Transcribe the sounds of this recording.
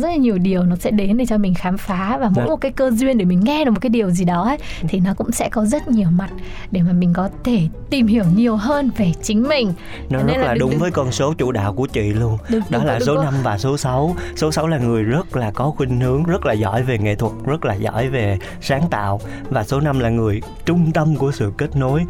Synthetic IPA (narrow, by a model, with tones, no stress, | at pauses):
zə˦˥t̚laː˨˩ɲi˨˩əwɗi˨˩əwnɔ˨˦sɛ̰˧˥ɗe˨˦nɗe˧˩t͡ɕɔ˧mï˨˩ŋ̟xaː˨˦mfaː˨˦vaː˨˩mo̰˧˥jm˨˩t̚kaː˨˦jkəː˧zwi˧ənɗe˧˩mï˨˩ŋ̟ŋɛ˧ɗɨ˨˩kmo˨˩tkːi˨˩əwzi˨˩ɗɔ˨˦ʔə˨˦jt̪ʰi˨˩nɔ˨˦kʊ̰˧˥ŋ͡msɛ̰˧˥kɔ˨˦zə˦˥t̚ɲi˨˩əwma˨˩t̚ | ɗe˧˩maː˨˩mï˨˩ŋ̟kɔ˨˦t̪ʰe˧˩t̪i˨˩mhi˧˩əwɲi˨˩əwɦəː˧nve˨˩t͡ɕï˨˦ŋ̟mï˨˩ŋ̟ | nɔ˨˦zə˦˥laː˨˩ɗʊ˨˦ŋ͡mvəː˨˦jkɔ˧nso˨˦t͡ɕṵ˧˨ɗa̰ː˧˨wku˧˩ət͡ɕwḭ˧˨lu˧ənɗɗɔ˨˦laː˨˩so˨˦na˧mvaː˨˩so˨˦sa˨˦wso˨˦sa˨˦wlaː˨˩ŋɨ˨˩əjzə˦˥t̚laː˨˩kɔ˨˦xwi˧ŋ̟hɨ˨˦əŋzə˦˥t̚laː˨˩zɔ̰˧˩˨jve˨˩ŋḛ˧˨t̪ʰwə˨˩t̚zə˦˥t̚laː˨˩zɔ̰˧˨jve˨˩ | saː˨˦ŋt̪a̰ː˧˨w | vaː˨˩so˨˦na˧mlaː˨˩ŋɨ˨˩əj | t͡ɕʊ˧ŋ͡mt̪ə˧mku˧˩əsɨ̰˧˨ke˦˥t̚no˨˦j